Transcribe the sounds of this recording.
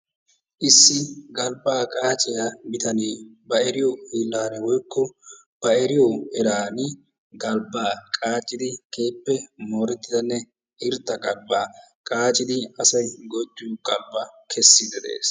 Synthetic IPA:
ʔɪsːɪɡɐlbaːkʼaːt͡ʃʼɪjabɪt̪ɐneːbɐɛɾɪjɔhiːlːaːnɛwɔjkːɔ | b̥ɐɛɾɪjɔɛɾaːnɪ | ɡɐlbaːkʼaːt͡ʃʼːɪd̪ɪkʰe̞ːpːɛmoːɾɛt̪ːɪd̪ɐnːɛ | ʔɪɾt̪ːɐɡɐlbaː | kʼaːt͡ʃʼːɪd̪ɪɐsɐjɡɔd̪ːɪjʊɡʼɐlbɐkʰɛsːɪd̪ɛd̪ḛːs

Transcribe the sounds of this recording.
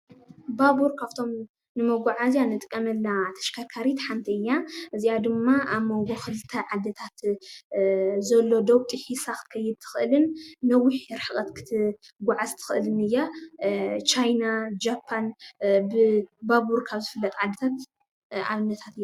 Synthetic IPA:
babuɾkʰaft̪ʰo̞m | nɨmoɡuʕazjanɨt̪ʼkʼːɐmɐlːat̪ʰɐ̥ʃkʰakʰaɾit̪ħant̪ʰiɨjːaʔɨzijad̪ɨmːaʔaβmoɡoxɨlt̪ʰɐʕad̪ːɐt̪ʰat̪ | zɐlːo̞d̪owt̪ʼɨħisaxt̪kʰɐjːɪd̪̚t̪ʰɨ̥xɨʔɨlɨnːɐwːiħɾħɨkʼɐt̪kʰɨ̥t̪ʰɨ | ɡʷʊʕazt̪ʰɨ̥xɨʔɨlɨnɨjːa | t͡ʃajnad͡ʒapʰːanbɨbaβuɾkʰaβzɨfɨlːɐt̪ʼʕad̪ːɐt̪ʰat̪ | ʕa̰βɨnːɐt̪ʰat̪ɨjːa

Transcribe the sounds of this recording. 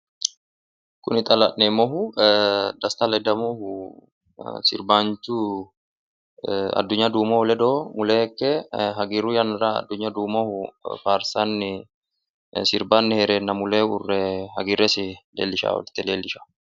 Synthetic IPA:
kʊnɪt̪ʼɐlɐʔːeːmɔhʊ | d̪ɐst̪alɛd̪ɐmɔhʊ | sɪ̰ɾbaːnt͡ʃuː | ɐ̰d̪ːʊɲːɐd̪uːmɔhʊlɛd̪oːmʊleːkːɛɦɐɡiːrujɐnɪɾaɐ̰d̪ːʊɲːɐd̪uːmɔhʊfaːɾsanːɪ | sɪɾbanːɪhɛɾeːnːɐmʊleːʊrːɛhɐɡɪrɛsɪlḛːlːɪʃa̰ːwɔ̰lɪt̪ːɪleːlːɪʃḁ

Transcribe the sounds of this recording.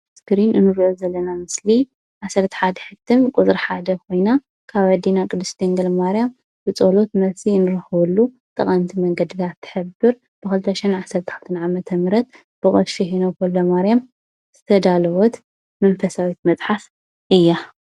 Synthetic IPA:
skɨɾinɨnɨɾiʔozɐlːɐnamɨsli | ʕasɐɾt̪ʰi̥ħad̪ɐħɨt̪ʰːɨmkʼut͡sʼɾħad̪ɐkʰo̞jna | kʰaβad̪inakʼɨd̪ɨst̪ʰeŋɡɐlmaɾijam | b̥ɨt͡sʼolo̞t̪mɐsinɨɾɐxɨwulːu | t̪ʼɐ̰χʼɐmt̪ʰimɐŋɡɐd̪it̪ʰat̪ʰːɨ̥ħɨbɨɾ | b̥ɨkɨlt̪ʰɐʃɛnʕasɐɾt̪ʰi̥ħat̪ʰɨnʕamɐt̪ʰɐmɨɾɐt̪̚ | b̥ɨkʼoʃihinokolːɐmaɾijam | z̥ɨt̪ʰɐd̪alɐwot̪ | mɐnfɐsawit̪mɐt͡sʼħaf | ʔɨjːa

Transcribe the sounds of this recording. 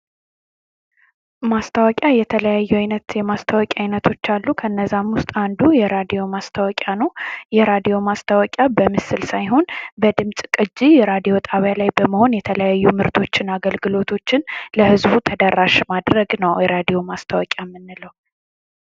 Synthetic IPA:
mast̪ʰəwɔkʼjajɛt̪ʰələjajːuajnət̪jɛmast̪ʰəwɔkʼiajnət̪ʰo̞t͡ʃːalːukʰəɨnːəzːamwʊst̪ʼand̪ujɛɾad̪ijo̞mast̪ʰəwɔkʼanəwjɛɾad̪ijo̞mast̪ʰəwɔkʼjabəmɨsɨlsajɦo̞nbəd̪ɨmsʼkʼɨd͡ʒːijɛɾad̪ijo̞t̪ʰʼaβjalajbəməho̞njɛt̪ʰələjajːumɨɾt̪ʰo̞t͡ʃːɪnaɡəlɡɨlo̞t̪ʰo̞t͡ʃːɪnləhɨzbut̪ʰəd̪əɾːaʃmad̪ɾəɡnəwjɛɾad̪ijo̞mast̪ʰəwɔkʼjamːɨnːɨləw

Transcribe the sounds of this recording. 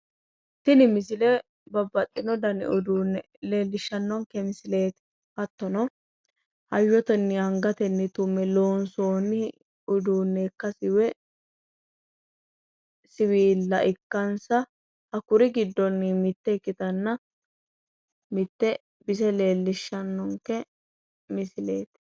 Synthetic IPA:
t̪ːɪnɪmɪs̬ɪlɛ | bɐbːɐt̪ʼːɪnɔd̪ɐnɪ̰ʊd̪uːnːɛ | le̞ːlːɪʃːɐnːɔŋkɛmsɪle̞ːt̪ɪ̥ | ɐt̪ːɔnɔ | hɐjːɔt̪ɛnːɪɐŋɡɐt̪ɛnːɪt̪ʊmːɛlo̞ːnso̞ːnːɪ | ʊd̪uːnːekːɐsɪwɛ | sɪwiːlːɐʔɪkːɐnsɐ | hɐkʊɾɪɡɪd̪ːɔnːɪmɪt̪ːɛɪkːɪt̪ɐnːɐ | mɪt̪ːɛ | bɪs̬ɛle̞ːlːɪʃːɐnːɔŋkɛ | mɪsɪle̞ːt̪

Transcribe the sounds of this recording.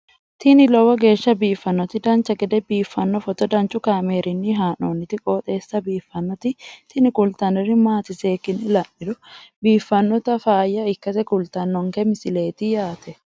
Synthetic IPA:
t̪ɪnɪlɔwɐɡe̞ːʃːɐbiːfːɐnːɔt̪ɪd̪ɐnt͡ʃːɐɡɛd̪ɛbiːfːɐnːɔfɔt̪ɔd̪ɐnt͡ʃʊkaːmeːɾʔɪnːiɦaːnoːnːɪt̪ɪkʼoːt̪ʼe̞ːsːɐbiːfːɐnːɔt̪ɪt̪ɪnɪkʊlt̪ɐnɪrɪmaːt̪ɪseːkɪnɪlɐnːɪd̪ʊbiːfːɐnːɔt̪ɐfaːjːɐɪkːɐsɛkʊlt̪ɐnːɔŋkɛmɪsɪle̞ːt̪ɪjaːt̪ɛ

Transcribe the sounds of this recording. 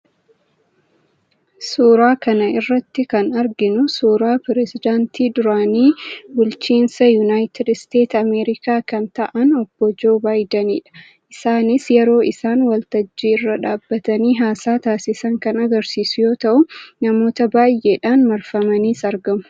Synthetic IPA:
suːɾaːkɐnɐɪrːɐt̪ːɪkɐnɐɾɡɪnʊsuːɾaːpɛɾɛsɪd̪aːnt̪iːd̪ʊɾaːniːbʊlt͡ʃiːnsɐjʊnaːjt̪ɪd̪st̪e̞ːt̪ɐmeːɾɪkaːkɐnt̪ɐʔɐnɔb̥ːɔd͡ʒo̞ːbaːjd̪ɐniːᶑɐ̥ | ʔɪsaːnɪsjɛɾo̞ːʔɪsaːnwɐlt̪ɐd͡ʒːiːɪrːɐᶑaːbːɐt̪ɐniːɦaːsaːt̪aːsɪsɐŋkɐnɐɡɐɾsiːsʊjo̞ːt̪ɐʔʊnɐmo̞ːt̪ɐbaːjʔeːᶑaːnmɐɾfɐmɐniːsɐɾɡɐmʊ̥

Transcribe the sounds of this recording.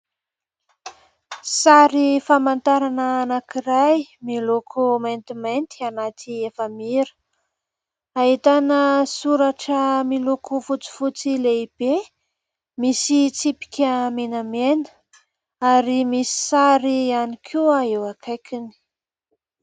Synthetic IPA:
saɾifamant̪aɾanəːnakiɾajmilokʰument̪iment̪ianat̪ʰiefəmiɾə̥ | aɦit̪anəsuɾaʈ͡ʂəmilokʰufut͡si̥fut͡sileib̥e | misit͡sipi̥kʲəmenamenə̥ | aɾimisi̥saɾianikʰuaewakʰajkʲini̥

